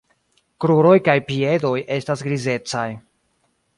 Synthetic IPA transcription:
kɾuɾo̞jkajpie̞do̞je̞stasɡɾize̞t͡saj

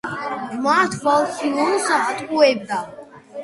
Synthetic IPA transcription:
mat̪ʰvalsiɔnsaɦat̪ʼqʼuɛb̚d̪a

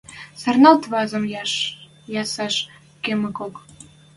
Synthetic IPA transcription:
sɑ̆rnɑlt̪βɑzə̆mj | jɑsɑʃ | kemɘ̆kok

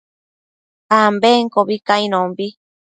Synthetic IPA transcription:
ambeŋkoβikaĩnõmbi

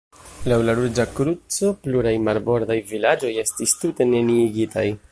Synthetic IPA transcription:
lawlaɾud͡ʒakɾut͡so̞pluɾajmaɾbo̞ɾd̪ajvilad͡ʒo̞je̞stistute̞ne̞niːɡitʰaj

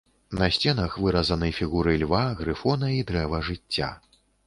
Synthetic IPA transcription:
nɐsʲt͡sʲɛnɐxvɨɾɐzɐnɨjfʲiɣuɾɨlʲvaɣɾɨfɔnɐid̪ɾɛvɐʐɨt͡sʲːa̰

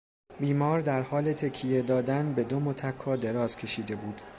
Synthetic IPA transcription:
biːmɒːɾd̪æɾhɒːlet̪ʰe̞cʰːije̞d̪ɒːd̪ænbe̞d̪omot̪ʰækʰːɒːd̪e̞ɾɒːz̥cʲʰe̞ʃiːd̪e̞buːd̪̥

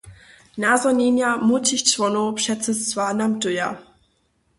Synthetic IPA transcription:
nazɔninjamutɪçt͡svɔnopʃɛt͡səst͡sv̥aːnamdʊja̰

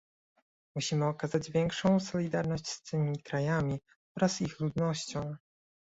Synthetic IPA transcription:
muɕimɘɔkazad͡ʑvʲjɛŋkʂɔ̃w̃sɔlʲid̪aɾnɔɕt͡ɕst̪ɘmʲikɾajamʲi | ɔɾasixlud̪nɔɕt͡ɕɔ̃w̃

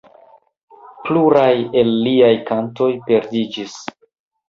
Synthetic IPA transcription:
pluɾaje̞lːiajkanto̞jpe̞ɾdid͡ʒis

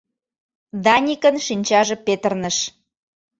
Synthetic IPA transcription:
d̪ɑnʲikənʃinʲt͡ɕɑʒĕpet̪ərnəʃ

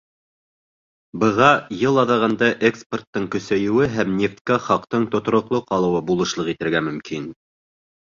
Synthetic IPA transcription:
bɤ̆ʁɑjɤlˠɑðɑʁɑnd̪ɑʔekspʲert̪ːɤɴkɵ̆sæjɘ̆wɘɦæmnʲeft̪kɑχɑqt̪ɤɴt̪ŏt̪ŏɾŏqlˠoqɑlˠɤ̆wɤbulˠɤ̆ʃlˠɤqit̪ɘ̆ɾɡæmɵ̆mkin

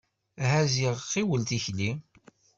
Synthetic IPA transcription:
ɦæziʁqːiwəlt̪içli

